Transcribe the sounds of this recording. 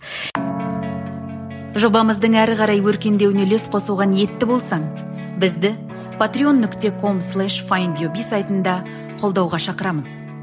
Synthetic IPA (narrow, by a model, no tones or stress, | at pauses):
ʒo̞bɑməzd̪əɴæɾʁɑɾɑjwɵɾkʲe̞nd̪e̞wɪnelesqʰo̞səlˠʁɑnje̞t̪ːɪbo̞lˠsɑɴ | bɪzd̪ɪ | pʰat̪ɾʲio̞nːʏkt̪e̞kʰo̞mslˠæʃfajnd̪jobisajt̪ənd̪ɑ | qʰo̞lˠd̪ɑwʁɑʃɑqəɾɑməz̥